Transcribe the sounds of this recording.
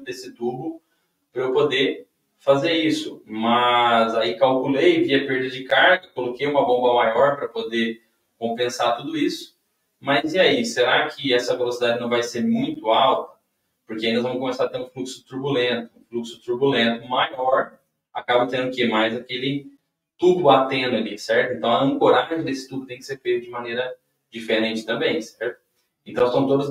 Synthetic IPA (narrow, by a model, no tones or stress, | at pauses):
d̪esɪt̪ubʊ | pɾɐwpod̪eɾ | fazeɾisʊmɐzaikawkulejviɐpeɾd̪ɐd͡ʒɪkaɾɡɐkolokejũmɐbõbɐmajɔɾpɾɐpod̪e | kõpẽsat̪ud̪ʊisʊ̥ | mɐziaiseɾakʰɪɛsɐvelosid̪ad͡ʒɪnɐ̃w̃vajseɾmũj̃t̪ʊawt̪ɐ̥ | poɾkeaĩd̪ɐzvɐ̃mʊkõmesaɾt̪ẽɾʊũfluksʊ̥t̪uɾbulẽnt̪ʊ̃fluksʊ̥t̪uɾbulẽnt̪ʊmajɔɾ | akabɐt̪ẽnd̪ʊkɪmajzakelɪ | t̪ud̪ʊbat̪ẽnd̪ʊalisɛɾt̪ʊẽnt̪ɐ̃w̃ɐɐ̃ŋkoɾaʒẽd̪esɪ̥t̪ud̪ʊt̪ẽj̃kɪ̥seɾfejt̪ʊd͡ʒɪmɐnejɾɐ | d͡ʒifeɾẽnt͡ʃɪ̥t̪ɐ̃mbẽj̃sɛɾt̪ʊ̥ | ẽnt̪ɐ̃w̃st̪t̪od̪ʊz